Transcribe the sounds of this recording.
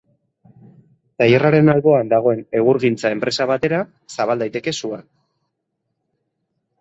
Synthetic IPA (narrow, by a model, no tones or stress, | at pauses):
t̪ajeraɾe̞nalβo̞and̪aɣ̞o̞e̞ne̞ɣ̞uɾɣint͡sae̞mpɾe̞saβ̞at̪e̞ɾa | saβald̪ajt̪e̞ke̞suan